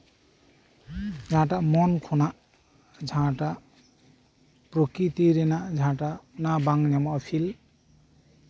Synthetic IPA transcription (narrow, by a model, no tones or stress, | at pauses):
d͡zʱãʈamɔnkʰonaʔ | d͡zʱãʈa | pɾokit̪iɾenaʔd͡zʱãʈanabaŋnamːpʰil